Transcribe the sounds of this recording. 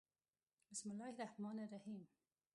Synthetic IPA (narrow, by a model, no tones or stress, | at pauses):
bɪsmolːɑːhɾæhmɑːnerːahiːm